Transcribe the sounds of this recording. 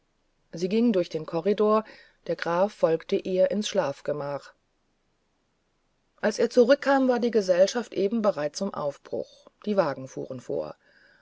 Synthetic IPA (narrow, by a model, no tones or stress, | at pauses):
ziːɡɪŋəndʊɐçd̥eːnkʰɔʁidoːɐ | d̥eːɐɡʁaːfːɔlktəʔeːɐʔɪnsʃlaːfɡ̥əmaːχ | ʔalseːɐt͡suʁʏkʰːaːmvaːɐdiːɡəzɛlʃaftʔeːbm̩bəʁaɪt͡st͡sʊmʔa̰ʊfb̥ʁʊ̰xd̥iːvaːɡŋ̩fṵːʁənfo̰ːɐ